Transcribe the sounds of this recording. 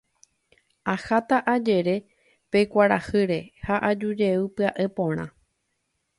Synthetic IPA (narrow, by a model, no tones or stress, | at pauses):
ahat̪aʔad͡ʒe̞ɾe̞ | pe̞kʷaɾahɨɾe̞haʔad͡ʒud͡ʒe̞ɨpɨaʔe̞põ̞ɾ̃ã̰